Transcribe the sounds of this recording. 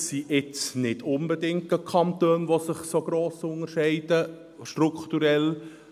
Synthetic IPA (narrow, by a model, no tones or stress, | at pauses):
siʔɪt͡snɪdʊnbədɪŋtəkʰɑnt̪øːnʋosəχsoɡ̥ɾoːsʊnəʃɛɪd̥ə | ʃtrukχt̪uɾɛl